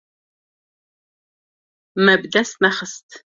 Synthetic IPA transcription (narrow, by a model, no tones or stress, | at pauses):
mɐbdɐsmɐχəstʰ